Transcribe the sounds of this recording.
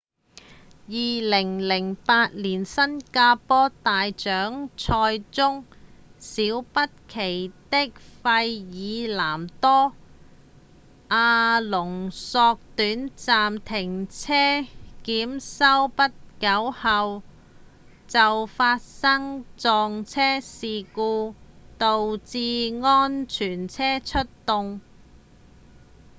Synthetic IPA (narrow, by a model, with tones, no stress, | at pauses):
jiː˨lɪ˨˩ŋlɪ˨˩ŋpaː˧t̚liː˨˩nsɐ˥nkaː˧pɔː˥t̪aː˨jt͡ʃœː˨˥ŋt͡sʰɔː˧jt͡sʊ˥ŋsiː˨˥wpɐ˥t̚kʰe˨˩jt̪ɪ˥k̚fɐ˧jjiː˨˧laː˨˩mt̪ɔː˥ | ʔaː˧lʊ˨˩ŋsɔː˧k̚t̪yː˨˥nt͡saː˨mt̪ʰɪ˨˩ŋt͡sʰɛː˥kiː˨˥msɐ˥wpɐ˥t̚kɐ˨˥whɐ˨˧w | t͡sɐ˨wfaː˧t̚sɐ˥ŋt͡sɔː˨ŋt͡sʰɛː˥siː˨kuː˧t̪o˨wt͡siː˧ŋɔː˥nt͡ʃʰyː˨˩nt͡sʰɛː˥t͡ʃʰɵ˥t̚t̪ʊ˧ŋ